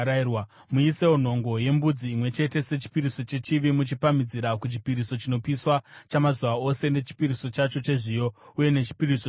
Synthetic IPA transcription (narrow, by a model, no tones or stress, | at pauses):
irwa | muise̞won̤o̞ŋɡo̞je̞mbud͡ziːmwe̞t͡ʃe̞te̞se̞t͡ʃi̥piɾiso̞t͡ʃe̞t͡ʃiʋimut͡ʃipamid͡ziɾakut͡ʃi̥piɾiso̞t͡ʃino̞piswat͡ʃamazuʋao̞se̞ne̞t͡ʃi̥piɾiso̞t͡ʃat͡ʃo̞t͡ʃe̞ʐijouje̞ne̞t͡ʃi̥piɾiso